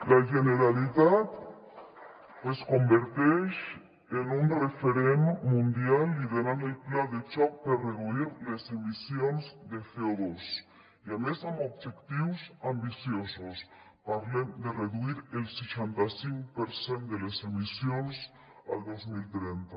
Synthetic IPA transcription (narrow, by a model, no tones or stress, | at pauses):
laʒeneɾaliðat̪ | pwesko̞mbeɾt̪eʃ | enunrefeɾend̪mũnd̪jalːiðeɾanelplaðet͡ʃak̚paɾareðuiɾlesemisjonzd̪eθeoðos | jamesamoβʝekt̪iwsambisjosos | paɾlend̪ereðuiɾelset͡ʃent̪asiŋkpeɾsent̪d̪elesemisjons | a̰ld̪ozmilt̪ɾent̪a